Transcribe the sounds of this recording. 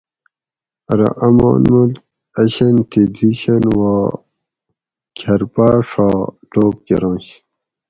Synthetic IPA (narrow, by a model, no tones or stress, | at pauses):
ɐɾɐ̰ʔɐma̰ːnmul̚ | ɐɕɐnt̪ʰid̪iɕɐnwaː | kʰɐɾpaːʂaʈoːp̚kḛɾõːɕ